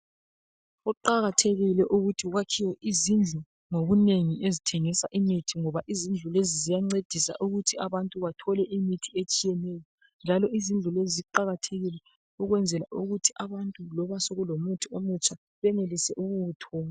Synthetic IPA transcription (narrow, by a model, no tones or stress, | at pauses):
ɔǃaɣatʰeɣilɛʔuɣutʰiɣwakʰiwɛʔizind͡ɮʱu | ŋoβuneŋiezitʰeŋisaʔimitʰiŋɔβaʔizind͡ɮʱulezizijaŋ͡ǀed̥ʱisa̰ʔuɣutʰiaβantʼuβatʰɔlɛʔimitʰiet͡ʃʼijɛnɛjɔ | nd͡ʒʱalɔʔizind͡ɮʱuleziziǃaɣatʰeɣilɛ | uɣwɛnd͡zʱɛla̰ʔuɣutʰiʔaβantʼulɔβasoɣulomutʰiomut͡ʃʰʼa | βɛnelisɛʔuɣuːtʰɔ